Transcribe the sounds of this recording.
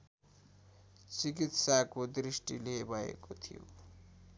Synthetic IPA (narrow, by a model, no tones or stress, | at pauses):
t͡sikit̪sakod̪risʈilebʱʌḛkot̪ʰijo̰